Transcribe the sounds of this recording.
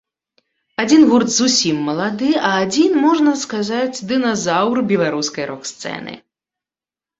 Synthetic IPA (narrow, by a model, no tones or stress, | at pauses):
ad͡zʲinvurt̪zusʲimːɐlˠad̪ɨɐːd͡zʲinmɔʐnɐskazat͡sʲd̪ɨnazawrbʲɛlˠaɾuskɐjɾɔkst̪sɛ̰nɨ̰